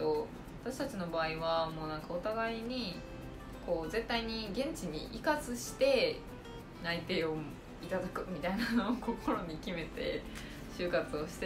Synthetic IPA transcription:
o | βat̪aɕi̥t̪at͡ɕino̞baːiβamo̞ːnãŋkaot̪aɡaiɲ̟i | ko̞ːze̞t̪ːaiɲ̟iɡẽ̞ɲ̟t͡ɕiɲ̟ḭʔikat͡sɨɕi̥t̪e̞ | nait̪e̞ːo̞ | it̪ad̪akɯ̟mʲit̪ainano̞ːko̞ko̞ɾo̞ɲ̟ikʲime̞t̪e̞̰ | ɕɨːkat͡sɨoɕi̥t̪e

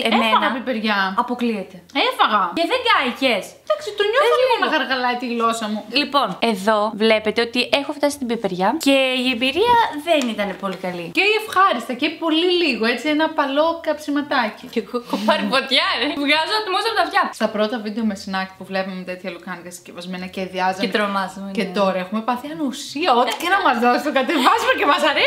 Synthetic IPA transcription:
eemeɐnɐbipeɾʝɐɐpo̞kliet̪e̞efɐɣɐceðeŋɡɐiçesd̪ɐksit̪uɲooliioɣnɐxɐɾɣɐlɐit̪iɣlo̞sɐmulipo̞ne̞ðo̞vle̞pe̞t̪e̞o̞t̪iʔe̞xoft̪ɐsi̥t̪ibipeɾʝɐceiembiɾiɐðe̞nit̪ɐne̞po̞likɐliceiefxɐɾist̪ɐcepo̞liliɣo̞et͡sienɐpɐlo̞kɐpsimɐt̪ɐcicekokopɐɾipot̪çɐɾevɣɐzunɐt̪imosɐɾot̪ɐvjɐst̪ɐpɾo̞t̪ɐvid̪e̞o̞mesinɐkt̪puvle̞pɐmemet̪et̪çɐlokɐnikɐsi̥cevɐzme̞nɐceðiɐzt̪ɾomɐzɐcet̪o̞ɾɐe̞xume̞pɐθiɐnusiɐot̪i̥cenɐmɐzðɐsist̪okɐt̪evɐzumecemɐsɐɾe

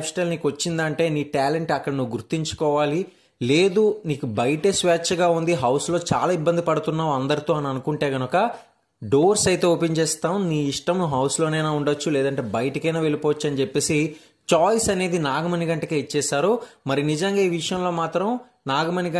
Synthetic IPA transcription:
psʈɐlniːkʋɐt͡ʃːind̪ɐɳʈe̞ːniːʈaːle̞ɳʈɐkːɐɽɐnuʋuɡuɾt̪ːiɲt͡ʃu̥kɔːʋaːli | leːd̪uniːkubɐjʈesʋaːt͡ʃːɐɡaːund̪iɦɐwslo̞ːt͡ʃa̰ːlaːibːɐnd̪ipɐɽut̪unːaːɐnd̪ɐɾit̪o̞ːɐniɐnukuɳʈe̞ːɡɐnukɐ | ɖo̞ːɾsɐjt̪e̞ːoːpeɲt͡ʃɛːst̪aːmniːiʂʈɐmnuɦɐwslo̞ːneːnaːuɳɖɐt͡ʃːulɛːd̪ɐɳʈe̞ːbɐjɐʈɐkɐjnaːʋe̞lipɔːʋɐt͡ʃːɐnit͡ʃepːe̞ːsi | t͡ʃaːjsɐne̞ːd̪inaːɡɐmɐniɡɐɳʈɐkeit͡ʃːɛːsaːɾumɐɾinid͡ʒɐŋɡaːiːʋiʂɐjɐmlo̞ːmaːt̪ɾɐm | naːɡɐmɐniɡɐ

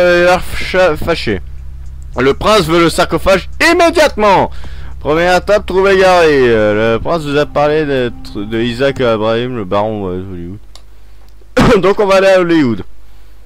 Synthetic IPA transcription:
lɛʁʃafaʃe | ləpχɛ̃svøləsaʁkɔfaʒimed̪jat̪mɑ̃ | pχəmjɛʁet̪ap̚t̪ʁuveɡaʁiləpχɛ̃svuzapaʁled̪ɛt̪χəd̪əizakabʁaimləbaʁɔ̃ɔliud̪ | d̪ɔ̃kɔ̃vaːleaɔliud̪

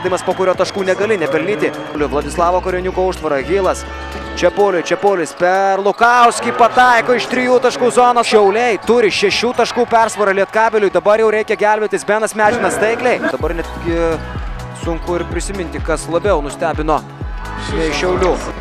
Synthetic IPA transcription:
d̪ʲɐɪmɐspoːkʊɾʲoːt̪ɐʃkuːnʲɛɡɐlʲɪnʲɛpʲɛɾʲlʲiːt̪ʲɪ | lʲʊʋlˠɐd̪ʲɪslˠɑːʋoːkʊɾʲɪnʲukoːʊʃt̪ʋɐɾɐɡʲiːlˠɐs | t͡ʃʲɛpoːlʲʊjt͡ʃʲɛpoːlʲɪspʲɛrlˠʊkɐʊsʲkʲiːpɐt̪ɐɪkoːɪʃt̪ʲɾʲɪjuːt̪ɐʃkuːzoːnoːʃʲɛʊlʲɛɪt̪ʊɾʲɪʃʲɛʃʲuːt̪ɐʃkuːpʲɛrsʋɐɾɐlʲiɛt̪kɑːbʲɪlʲʊjd̪ɐbɐɾjɛʊɾʲɛɪkʲɛɡʲælʲbʲɛt̪ʲɪsbʲiɛnɐsmʲæːd͡ʒʲɪnɐst̪ɐɪklʲɛɪd̪ɐbɐrnʲɛt̪ʲɡʲɪ | sʊŋkʊɪɾpʲɾʲɪsʲɪmʲɪnʲt̪ʲɪkɐslˠɐbʲɛʊnʊsʲt̪ʲæːbʲɪnoː | nʲɛɪʃʲɛʊlʲuː

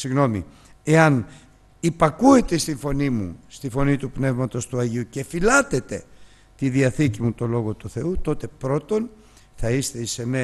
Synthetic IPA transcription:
siɣno̞mḭ | e̞ɐn | ipɐkue̞t̪e̞st̪iɱfo̞nimṵst̪ifo̞nit̪upne̞vmɐt̪o̞st̪uɐʝiuce̞filɐt̪e̞t̪e̞ | t̪iðiɐθicimut̪o̞lo̞ɣo̞t̪uθe̞ut̪o̞t̪e̞pɾo̞t̪o̞n | θɐist̪e̞ise̞ne

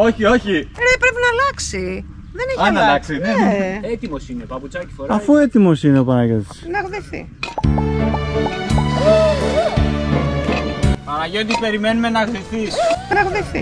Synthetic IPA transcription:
oçio̞çinepɾe̞pinɐlɐksi | ðeneçɐnɐlɐksineet̪imo̞sinepɐput͡sɐci̥foɾɐfue̞t̪imo̞sine̞opɐnɐʝet̪i̥snɐɣðiθḭ | pɐnɐʝet̪ispe̞ɾime̞nume̞nɐɣðifθisnɐɣðiθḭ

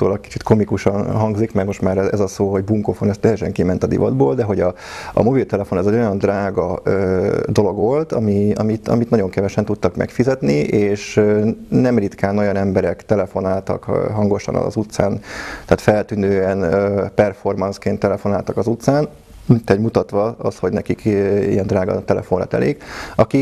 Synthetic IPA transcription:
t̪o̰ːlɒk̚ki̥t͡ʃit̪kʰo̞mikuʃɒnɦɒŋɡzikmɛɾmo̞ʃt̪maːɾɛɛzɒsoːɦo̞ɟbuŋkofonɛst̪ːɛjɛʃɛŋkimɛnt̪ɒd̪ḭvɒ̰d̪boːld̪ɛɦo̞ɟɒ | ɒ̰mo̞bilt̪ɛlɛfo̞nɛzɛɟo̞jɒnd̪raːɡɒøːd̪o̞lo̞ɡʋo̞lt̪ɒmiɒ̰mit̪ɒ̰mit̪nɒɟo̞ŋkɛvɛʃɛnt̪ut̪ːɒkmɛ̰kfizɛt̪nieːʃønɛmrit̪kaːno̞jɒnɛmbɛɾɛkt̪ɛlɛfo̞naːlt̪ɒ̰kːɦɒŋɡo̞ʃɒ̰nɒ̰zut̪saːnt̪aːt̪fɛlt̪yːnøːɛnøpɛrfo̞rmɒnskeːnt̪ːɛlɛfo̞naːlt̪ɒkɒzut̪saːn | t̪ɛɟmut̪ɒt̪ʋɒɒ̰sho̞ɟnɛkikḭjɛnd̪raːɡɒ̰t̪ɛlɛ̰fo̞nrɒ̰t̪ɛ̰leːkɒki

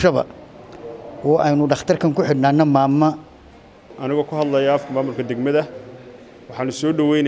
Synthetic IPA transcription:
ʃɐβɐ̰ | ʔɔːʔɛjnʊɖɑχt̪ʰɐrkʰɐŋkʰʊħɪd̪naːnːɐmaːmːɐ | ʔɐnɪɣɔːkʰʊɦɐd̪lɐjaɐfkʰɐmaːmʊlkʰɐd̪ɛɡmɐðɐ | wɑħɑːnʊsɔːɖɐwɛjn

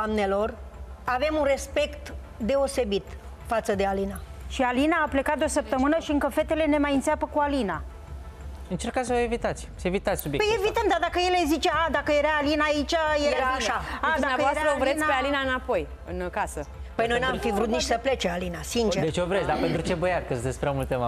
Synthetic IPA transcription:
amnelo̞rave̞munre̞spe̞kt̪ | d̪e̞o̞se̞bit̪ | fat̪səd̪e̞alinaʃialinaːple̞kat̪̚d̪osəp̚t̪əmɨnəʃiɨŋkəfe̞t̪e̞le̞ne̞majɨnt̪sɪapəkualina | ɨnt͡ʃe̞rkas̬əvəevit̪at̪sʲevit̪at̪sʲsubjepejevit̪əmd̪ad̪akəje̞lezit͡ʃead̪akəjeɾaːlinaːit͡ʃajeaaʃaad̪uamjaəvoasɾtaɾəovɾesnapealinaɨnapo̞j | ɨnkasə | pəjnojnamfivɾut̪nit͡ʃsəple̞t͡ʃealinasint͡ʃeɾd̪et͡ʃovɾetsʲd̪ape̞nt̪ɾut͡ʃe̞bəjat̪kəsd̪esʲpɾamult̪ema

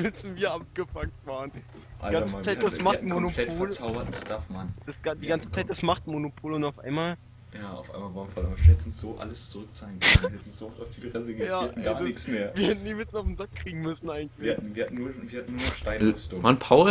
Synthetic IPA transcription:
mɛsn̩viːɐap̚ɡ̥əfak̚tv̥aːʁən | ʔa̰lɡat͡səmat͡saɪdasmatmonolɛoːlt͡saʊbɐt̩stafmand̥asɡ̥adiːɡant͡sət͡saɪt̚d̥asmaχtmonopʰoːlʊntaʊfʔa̰ɪnmaːl | jaːa̰ʊfʔa̰ɪmavaːfalɛsn̩sz̥oːʔa̰ləst͡suʁʏkt͡saɪnkʰnvɐhɛtn̩z̥ʊɔftaʊfd̥iːdʁɛsəɡjaːɛtn̩ɡaːɐnɪçsmeːɐviːɐhɛtn̩niːmɪsn̩aʊfm̩zakːʁ̥iːɡŋ̩mʏsn̩ʔaɪɡŋ̩tlɪɐhatn̩viːɐhatn̩nuːɐviɐhatn̩ːuːɐnɔʃtaɪnɪstʊmanpʰaʊ

